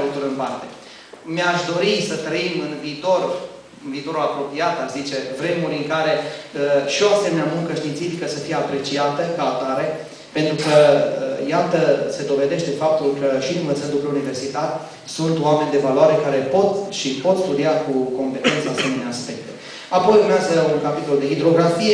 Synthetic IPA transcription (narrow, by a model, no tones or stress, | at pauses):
lut̪uɾɨnpart̪e̞̰ | meaʃd̪o̞ɾisət̪ɾəimɨnviːt̪o̞r | ɨnviːt̪o̞ɾulapɾo̞piat̪aʃzit͡ʃe̞vɾe̞muɾʲɨŋkaɾe̞əʃio̞ase̞menamuŋkəʃt̪int̪sifikəsəfijeapɾe̞t͡ʃiat̪əkaat̪aɾe̞ | pe̞nt̪ɾukəəjat̪əse̞d̪o̞ve̞d̪e̞ʃt̪e̞fap̚t̪ulkəʃinumət̪əld̪upəunive̞rsit̪ar | sunt̪oame̞nʲd̪e̞valoaɾe̞kaɾe̞po̞t̪ʃipo̞t̪st̪ud̪iakuko̞mpe̞t̪e̞nt̪səase̞meneaspe̞k̚t̪e̞ | apo̞jurmeazəuŋkapit̪o̞ld̪e̞ɦid̪ɾo̞ɡɾafije